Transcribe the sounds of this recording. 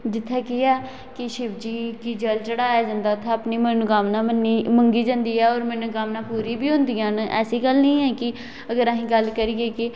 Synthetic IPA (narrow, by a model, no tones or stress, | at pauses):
d͡ʒɪt̪ʰːeːkɪjaː | kɪʃɪbd͡ʒiːkiːd͡ʒəlt͡ʃəɽaːjaːd͡ʒãːnd̪aːt̪ʰẽəpniːmənʊɡaːmnãːənːiːməŋɡiːd͡ʒãːnd̪iːɛːɔːɾmɛnʊɡaːmnaːpuːɾiːbiːɦõːnd̪iːãːnɛ̰ːsiːɡəlnəĩːɛːkɪ | əɡəɾaːɦĩːɡəlkəɾiːeːkɪ